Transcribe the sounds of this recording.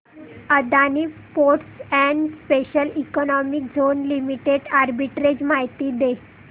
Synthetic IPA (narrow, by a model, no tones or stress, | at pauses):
əd̪aniː | poɾʈsɛɳɖspeɕəlikɔnɔmik̚d͡zʱonlimiʈeɖaɾbiʈɾed͡ʑmaɦjt̪iːd̪e